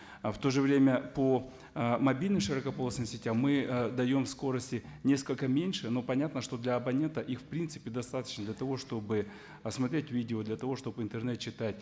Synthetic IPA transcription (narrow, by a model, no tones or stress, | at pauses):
ft̪o̞ʐɨvɾʲemʲəpo | mɐbʲilʲnɨmʂɨɾəkɐpoəsnɨmsʲɪtʲammɨd̪ɐjo̞mfsko̞ɾəsʲtʲɪnʲe̞skəlʲkəmʲenʲʂɨno̞pɐnʲat̪nəʂt̪o̞d̪lʲɐɐbɐnʲe̞nt̪əʔixfpɾʲint̪sɨ̥pʲɪd̪ɐst̪at̪ə̥t͡ɕnəd̪lʲɐt̪ɐvo̞ʂt̪o̞bɨ | ɐsmɐt̪ɾʲetʲvʲidʲɪod̪lʲɐt̪ɐvo̞ʂt̪o̞bɪnt̪ɨrnɛt̪̚t͡ɕːɪt̪atʲ